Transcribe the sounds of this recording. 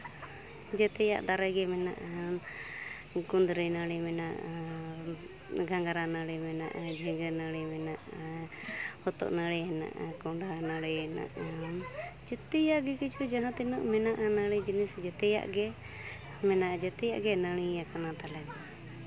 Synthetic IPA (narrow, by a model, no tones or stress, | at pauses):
d͡ʒɛt̪ɛja̰ʔd̪aɾɛɡɛmɛna̰ʔ | kund̪ɾɛnəɽɛmɛnaʔ | ɡʱaŋɡaɾanəɽimɛna̰ʔd͡ʒʱiɡənəɽimɛnaʔ | hɔt̪ɔ̰ʔnəɽɛɛna̰ʔkɔɳɖanəɽɛɛna̰ʔ | d͡ʒɛt̪ɛjaʔɡɛkit͡ʃʰud͡ʒaɦãt̪inɔʔmɛnaʔnəɽɛd͡ʒinisd͡ʒɛt̪ɛja̰ʔɡɛ | mɛnaʔd͡ʒɛt̪ɛjaʔɡɛnəɽ̃ijakanat̪alɛma